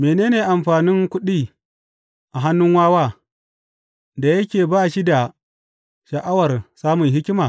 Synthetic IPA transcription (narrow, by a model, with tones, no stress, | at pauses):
meː˨neː˦neː˨ʔa˨mɸaː˨nɪ˦ŋkʷʊ˦ɗiː˦ | ʔa˨ɦa˦nːʊ˦ŋwaː˦waː˦ | da˨jɐ˦kʲeː˨baː˦ʃi˦da˨ | ʃɐ˨ʔa˦wɐ˨rsaː˦mʊ˨ŋɦɪ˦kʲɪ˦maː˨